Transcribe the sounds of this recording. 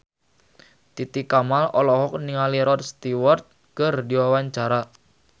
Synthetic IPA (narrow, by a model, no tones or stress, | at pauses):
t̪it̪ikamalɔlɔhɔk̚niŋaliɾɔt̪̚st̪iwɔrt̪̚ | kərdiwawaɲt͡ʃaɾa